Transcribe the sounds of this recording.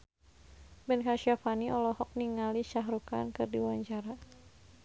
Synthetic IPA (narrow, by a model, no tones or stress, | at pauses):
bɛnkaʃiafaniʔɔlɔhɔk̚niŋaliʃaɦɾukankɨrdiwaɲt͡ʃaɾa